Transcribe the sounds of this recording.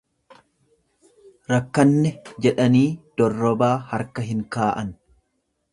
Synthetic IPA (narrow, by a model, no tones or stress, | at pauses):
ɾɐkːɐnːɛd͡ʒɛᶑɐniːd̪̥ɔrːɔbaːhɐɾkɐɦɪŋkaːʔɐn